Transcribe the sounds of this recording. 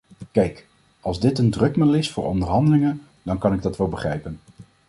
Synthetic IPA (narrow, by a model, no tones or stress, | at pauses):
kɛjk | ɑlˠzdɪtəndrɵkmədlɪsfʊːɹʔɔ̰ndəɹɦɑndəlɪŋən | d̥ɑnkɑnɪɡ̚dɑtʋɛlˠbəχrɛjpən